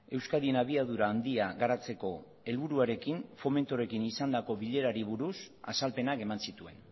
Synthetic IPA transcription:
e̞wskaðienaβ̞iað̞uɾaːnd̪iaɣaɾat͡se̞ko̞ | e̞lβuɾuaɾe̞kinfo̞me̞nt̪oɾe̞kinisand̪ako̞βiʎe̞ɾaɾiβ̞uɾusa̰salpe̞nake̞mansit̪ue̞̰n

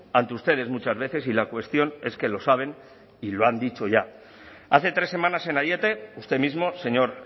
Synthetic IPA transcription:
ant̪eust̪e̞ð̞e̞zmut͡ʃazβe̞θe̞silakwe̞st̪jo̞ne̞ske̞lo̞saβ̞e̞n | ilo̞and̪it͡ʃo̞ʝa | aθe̞t̪ɾe̞sːe̞mãnase̞naðje̞t̪e̞ust̪e̞mizmo̞se̞ɲo̞ɾ

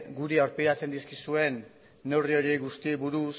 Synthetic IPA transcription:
ɡuɾiawɾpiɾat͡se̞nd̪iskisue̞nː | e̞wrio̞ɾieɣust̪iβuɾus

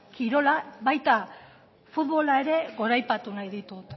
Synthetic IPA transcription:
kiɾo̞laβajt̪a | fut̪βo̞lae̞ɾe̞ɣo̞ɾajpat̪unajðit̪ut̪

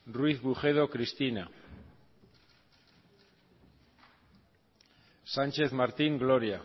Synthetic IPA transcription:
rwiθβuχe̞ð̞o̞kɾist̪ina | sant͡ʃe̞θmaɾt̪iŋɡlo̞ɾja

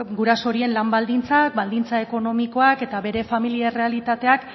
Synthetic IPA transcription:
ɡuɾaso̞ɾie̞nlambald̪int͡sak̚bald̪int͡sae̞ko̞no̞miko̞ake̞t̪aβe̞ɾe̞familiaere̞alit̪at̪e̞ak

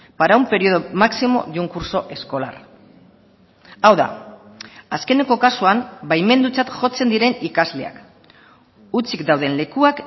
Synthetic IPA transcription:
paɾawmpe̞ɾio̞ðomaksimo̞̰ʝuŋkuɾso̞ʔe̞sko̞la̰r | awða̰ | aske̞ne̞ko̞kasuambajme̞nd̪ut͡sat̪ʝo̞t͡se̞nd̪iɾe̞nikazle̞a̰k | ut͡sikd̪awð̞e̞nle̞kuak

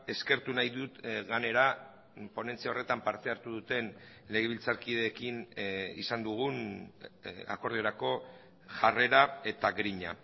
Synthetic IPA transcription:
e̞ske̞ɾt̪unajðut̪ɣane̞ɾa | po̞ne̞nt͡siao̞re̞t̪ampaɾt̪e̞aɾt̪uð̞ut̪e̞n | le̞ɣ̞eβ̞ilt͡saɾkið̞e̞ːkinḭsand̪uɣ̞un | a̰ko̞ɾðioɾako̞ | ʝare̞ɾae̞t̪aɡɾiɲa̰

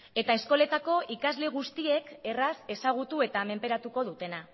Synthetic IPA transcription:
e̞t̪ae̞sko̞le̞t̪ako̞ʔikazle̞ɣ̞ust̪ie̞ke̞rase̞saɣ̞ut̪ue̞t̪ame̞mpe̞ɾat̪uko̞ð̞ut̪e̞na

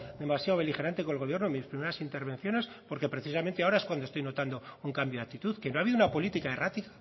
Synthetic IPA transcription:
d̪emasjaowβe̞lixe̞ɾant̪e̞kolɣ̞o̞β̞je̞ɾnoemispɾime̞ɾasint̪e̞ɾβẽ̞n̟θjo̞ne̞s | po̞ɾke̞pɾe̞θisamẽ̞nt̪eaoɾae̞skwand̪oest̪ojno̞t̪and̪ouŋkambjoakt̪it̪uθke̞noaβiðounapo̞lit̪ikaerat̪ikḁ

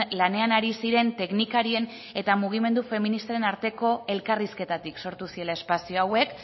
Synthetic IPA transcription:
lane̞anaɾisiɾe̞nt̪e̞knikaɾie̞n | e̞t̪amuɣ̞ime̞nd̪ufe̞minist̪aɾe̞naɾt̪e̞ko̞e̞lkariske̞t̪at̪ikso̞ɾt̪usie̞lae̞spasio̞awe̞k

